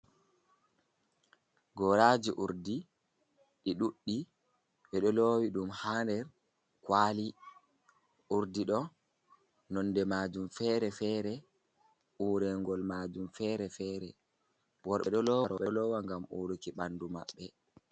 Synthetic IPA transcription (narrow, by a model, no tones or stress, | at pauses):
ɡɔɾad͡ʒiʔuɾdi | ɗiɗuɗːi | ɓɛɗɔlowiɗumhaːndɛɾ | kwaːli | ʔuɾdiɗɔ | nɔnːdɛmad͡ʒumfɛɾɛfɛːɾɛ | ʔuːɾɛŋɡɔlmaːd͡ʒumfɛːɾɛfɛːɾɛ | wɔɾɓɛɗɔlɔwaɾɔɓɛlɔwaŋɡamuɾukiɓanduma̰ɓːɛ